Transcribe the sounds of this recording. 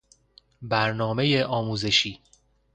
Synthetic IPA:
bæɾnɒːme̞jeʔɒːmuːze̞ʃiː

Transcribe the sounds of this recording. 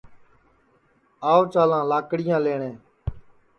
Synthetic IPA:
aːoːt͡ʃaːlãːlaːkɽɪjãːleːɳẽː

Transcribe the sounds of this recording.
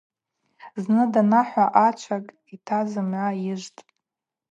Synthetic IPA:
znɨdanaħʷaʔat͡ʃʷʰakʼ | itʰazɨmʕʷajɪʒʷtʼ

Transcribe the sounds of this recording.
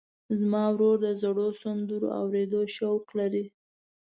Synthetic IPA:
zmɑwɾoɾd̪əzaɽosand̪uɾo̰a̰wɾed̪oʃawqlaɾi

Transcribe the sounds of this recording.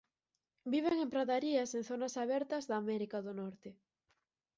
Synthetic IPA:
biβ̞eŋempɾaðaɾiɐseŋθonɐsaβɛɾt̪ɐzðaːmɛɾikaðʊnɔɾt̪ɪ

